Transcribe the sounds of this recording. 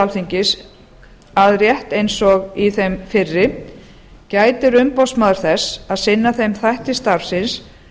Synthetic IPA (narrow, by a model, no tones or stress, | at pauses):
lθiɲcɪs | aðɾjɛht̪ejnsɔɣiθejmfɪrːɪ | caːjt̪ɪɾʏmpɔwsmaðʏɾ̥θɛsaðsɪnːaθejmθajht̪ɪst̪aɾfsɪns